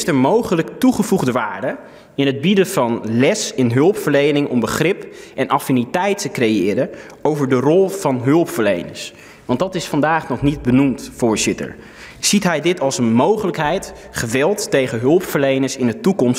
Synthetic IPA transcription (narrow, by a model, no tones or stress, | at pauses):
stəɹmowχələktuχəvuχdəʋaːɹdə | ɪnɦəd̚bidəv̥ɑnlɛsɪnɦɵlˠpfəɹlejnɪŋɔmbəχrɪpʔɛnʔɑfinitɛjtəkrejɪːɾə | owvəɹdərɔlˠv̥ɑnɦɵlˠpfəɹlejnə̰ɹs | ʋɑntdɑtɪsfɑndaːχnɔχnid̚bənumtfʊːɹzɪtə̰ɹ | z̥itɦɛjdɪtɑlˠsənmowχələkɦɛjt | χəʋɛlˠtːejχəɦɵlˠpfəɹlejnəɹsɪnətukɔms